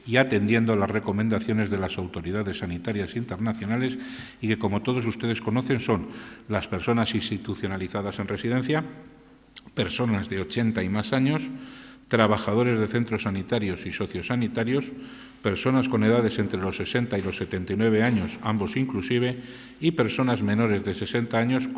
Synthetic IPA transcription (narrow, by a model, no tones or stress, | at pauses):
iat̪e̞nd̪je̞nd̪olazre̞ko̞mẽnd̪aθjo̞ne̞zðe̞lasawt̪o̞ɾiðaðe̞sːanit̪aɾjasint̪e̞ɾnaθjo̞nale̞s | ike̞ko̞mo̞t̪o̞ð̞o̞s̬ust̪e̞ðe̞sko̞no̞θe̞nso̞nlaspe̞ɾso̞nasinst̪it̪uθjo̞naliθaðase̞nre̞siðe̞n̟θja | pe̞ɾso̞nazðe̞o̞t͡ʃe̞nt̪aimasaɲo̞st̪ɾaβaxaðo̞ɾe̞zðe̞θe̞nt̪ɾo̞sːanit̪aɾjo̞siso̞θjo̞sːanit̪aɾjo̞s | pe̞ɾso̞nasko̞ne̞ð̞að̞e̞se̞nt̪ɾe̞lo̞sːe̞se̞nt̪ailo̞sːe̞t̪e̞nt̪ajnweβ̞e̞aɲo̞sambo̞siŋklusiβ̞e̞ | ipe̞ɾso̞nazmẽ̞no̞ɾe̞zðe̞se̞se̞nt̪aaɲo̞s